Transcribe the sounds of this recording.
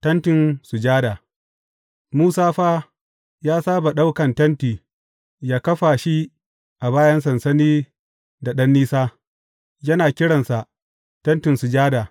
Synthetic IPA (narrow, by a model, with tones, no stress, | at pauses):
tɐ˦ntɪ˨nsu˨d͡ʒaː˦da˨ | muː˦saː˦ɸaː˦ | jaː˦saː˦ba˨ɗa˦wkɐ˨ntɐ˦ntiː˨ | jaː˦kɐ˦ɸa˨ʃi˦ | ʔa˨baː˦jɐ˦ns̬ɐ˨nsɐ˦niː˦ | da˨ɗɐ˦nːiː˦saː˦ | jɐ˦naː˨kʲɪ˦ɽɐ˨nsa˨ʔ | tɐ˦ntɪ˨nsu˨d͡ʒaː˦daː˨